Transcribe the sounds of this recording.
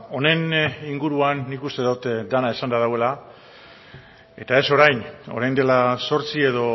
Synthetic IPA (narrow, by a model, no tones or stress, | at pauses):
o̞ne̞niŋɡuɾuanːikust̪eðut̪d̪anaesand̪aðawe̞la | e̞t̪ae̞so̞ɾajno̞ɾajnd̪e̞laso̞ɾt͡sie̞ðo̞